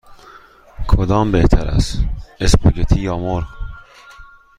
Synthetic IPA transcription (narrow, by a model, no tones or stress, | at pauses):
kʰod̪ɒːmbeht̪ʰæɾæ̰sespoɟet̪ʰiːjɒːmoɾɣ